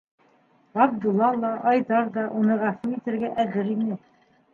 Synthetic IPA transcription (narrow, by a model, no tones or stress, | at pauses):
ɑb̚d̪ulˠːɑlˠɑʔɑjðɑɾðɑʔunɤʁæfuɾit̪ɘ̆ɾɡæʔæðɘɾinɘ